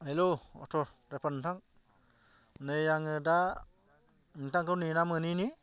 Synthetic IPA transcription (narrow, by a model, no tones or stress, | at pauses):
heloɔ̰tʰɔɾepʰantaŋ | nejaŋɯda | ŋtaŋkʰɯwninamɯnini